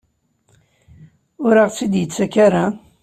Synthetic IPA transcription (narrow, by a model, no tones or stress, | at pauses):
ʊɾaʁsid̪jət͡sːækaɾa